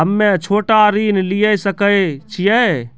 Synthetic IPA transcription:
ɦəmːet͡ʃʰoːʈaɾinlijəsəkət͡ʃʰijɛ

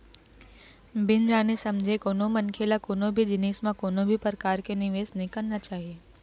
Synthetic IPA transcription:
bɪnd͡ʒaːnesɐ̃md͡ʒʱekoːnõmɐ̃nkʰeːlakoːnõbʱid͡ʒɪneːsmãkoːnõbʱipɾəkaːɾkenɪʋeːsnɦĩkəɾnat͡ʃaːɦieː

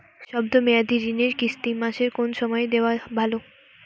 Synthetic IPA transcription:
ʃɔbd̪omead̪iɾineɾkist̪imaʃeɾkonʃɔmɔed̪eoabʱalo

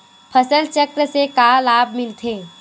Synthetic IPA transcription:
pʰəsəlt͡ʃəkɾəsekaːlaːb̚ʱmɪlt̪ʰeː

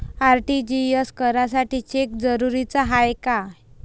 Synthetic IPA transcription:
aɾʈid͡ʑijəskəɾasaʈiːt͡ɕek̚d͡zəɾuɾit͡saɦajka

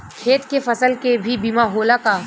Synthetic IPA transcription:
kʰeːt̪kefɐsəlkebʱibiːmaɦoːlakaː

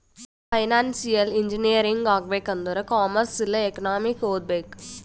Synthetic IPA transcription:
pɐɪnaːnsijɐlɪɲd͡ʒiniɐɾiŋɡaːɡ̚ʋeːkɐnd̪uɾɐkaːmɐɾsɪlːɐɛkɐnaːmɪkoːd̪̚beːk

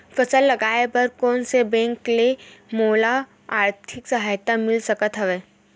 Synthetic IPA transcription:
fɐsəlːɐɡaːebɐɾkɔːnsebɛ̃ːŋklemoːla | aːɾt̪ʰɪksɐɦaːjt̪amɪlsɐkət̪ɦɛʋeː

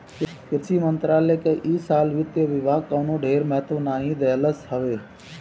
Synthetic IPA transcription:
kɪɾt͡ʃiːmənt̪ɾaːlekeʔiːsaːlʋɪt̪joʋɪʋaːkəːnõɖʱeːɾmɛːt̪onaːɦĩd̪ɛːləsɦəʋeː

